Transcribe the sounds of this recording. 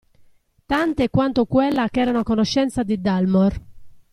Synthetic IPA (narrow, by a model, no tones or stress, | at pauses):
t̪ant̪ekːwant̪okwelːakɛːɾaunakonoʃːɛnt̪sad̪id̪almɔr